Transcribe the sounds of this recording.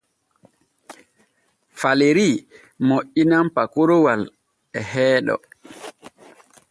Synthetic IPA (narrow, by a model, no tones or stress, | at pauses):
faleɾi | moʔːinampakoɾowal | ɛhɛːɗɔ̰